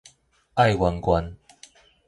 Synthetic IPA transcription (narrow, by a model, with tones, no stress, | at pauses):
a˥˨jwa˧nkwa˦n